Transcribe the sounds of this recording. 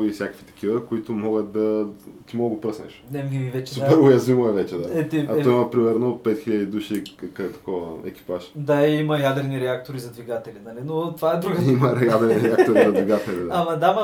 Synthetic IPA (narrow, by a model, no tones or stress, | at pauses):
ifsʲjakə̥kvi̥t̪ɐ̥k̟ivəkoit̪omɔɡət̪d̪ɐt̪imɔɡəɡopɾəsnɛ̰ʃnɛmɡʲimivɛt͡ʃɛsupɛɾojɐzvimoɛvɛt͡ʃɛd̪aɛt̪iat̪ɔimɐpɾimɛɾnopɛt̪xiʎʲəd̪id̪uʃik̪ɛt̪ɐ̥kɔvəɛ̰kʲi̥paʃd̪aiimɐjad̪ɛɾniɾɛak̚t̪oɾizɐd̪viɡat̪ɛlinalinot̪vaɛd̪ɾuɡəiməɾjad̪ɛɾniɾɛakt̪oɾizɐd̪viɡat̪ɛlid̪aaamɐd̪amɐ